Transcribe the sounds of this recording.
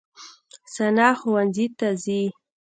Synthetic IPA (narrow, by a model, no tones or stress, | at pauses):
sanɑxʊwanzit̪azi